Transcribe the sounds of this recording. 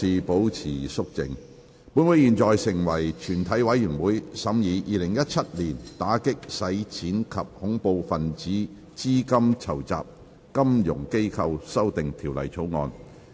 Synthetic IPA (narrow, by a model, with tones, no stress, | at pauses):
iː˨po˨˥wt͡sʰiː˨˩sʊ˥k̚t͡sɪ̰˨ŋ | pu˨˥nwu˨˥jiː˨˩nt͡sɔː˨jsɪ˨˩ŋwɐ˨˩jt͡ʃʰyː˨˩nt̪ʰɐ˨˥jwɐ˨˥jːyː˨˩nwuː˨˥jsɐ˨˥mjiː˨˧jʔiː˨˧lɪ˨˩ŋjɐ˥t̚t͡sʰɐ˥t̚liː˨˩nt̪aː˨˥kɪ˥k̚sɐ˨˥jt͡sʰiː˨˥nkʰɐ˨p̚hʊ˨˥ŋpo˨˧wfɐ˨nt͡siː˨˥ | t͡siː˥kɐ˥mt͡sʰɐ˨˩wt͡sa̰ː˨p̚ | kɐ˥mjʊ˨˩ŋke˥jkʰɐ˧wsɐ˥wt̪ɪ˨ŋt̪ʰiː˨˩wlɐ̰˨˩jt͡sʰo˨˥wŋɔ̰ː˧n